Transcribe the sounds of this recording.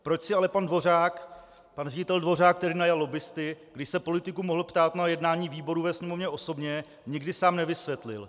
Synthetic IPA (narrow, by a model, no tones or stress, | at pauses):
pɾo̞t͡ʃsɪalɛpandvo̞r̝aːk | panrɛɟɪt̪ɛldvo̞raːk̚t̪ɛɾiːnajalːo̞bɪst̪ɪɡdɪʃsɛpo̞lɪt̪ɪkumoɦl̩pt̪aːt̪najɛdnaːɲiːviːbo̞ɾuvɛsɲɛmovɲɛʔo̞so̞bɲɛ | ɲɪɡdɪsaːmnɛvɪsvjɛt̪lɪ̰l